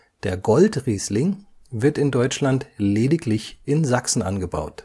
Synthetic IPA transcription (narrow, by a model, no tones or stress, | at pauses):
d̥eːɐɡɔltʁiːslɪŋvɪɐtɪndɔʏt͡ʃlantleːdɪklɪçʔɪnzaksn̩ʔa̰nɡəba̰ʊt